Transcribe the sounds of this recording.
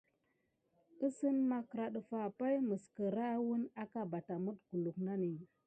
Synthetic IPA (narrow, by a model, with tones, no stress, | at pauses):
ə˦sə˦nma˦kɾa˨ɗə˨fa˨pa˦jmə˨skə˨ɾa˦wu˦na˦ka˨ba˨ta˨mə˦tɡu˨lu˨kna˦ni˨